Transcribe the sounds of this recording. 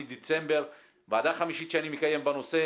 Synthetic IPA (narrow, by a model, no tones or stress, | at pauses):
id̪et͡se̞mbe̞ʁ | bead̪aχamiʃiʃeanimikaje̞mbano̞se̞